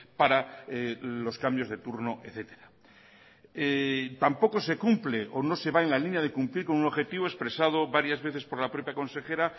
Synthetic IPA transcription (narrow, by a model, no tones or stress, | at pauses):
paɾaelo̞skambjozðe̞t̪uɾno̞ʔeθe̞t̪e̞ɾa | et̪ampo̞ko̞se̞kumpleʔono̞se̞βaenlalinjað̞e̞kumpliɾko̞nunoβxe̞t̪iβoespɾe̞sað̞oβaɾjazβe̞θespo̞ɾlapɾo̞pjakõ̞nse̞xe̞ɾa